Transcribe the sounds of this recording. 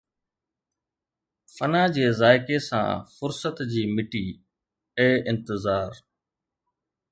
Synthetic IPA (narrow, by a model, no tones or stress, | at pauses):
fənaːd͡ʑeːzaːɪkesã̰ːfʊɾsət̪d͡ʑiːmɪʈiː | ɛ̃ːɪ̃nt̪ɪzaːɾ